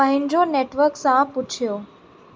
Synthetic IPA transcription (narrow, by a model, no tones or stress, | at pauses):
ɐ̃ɦɪ̃ɲd͡ʑoneːʈʋəɾksãpʊt͡ɕʰijoː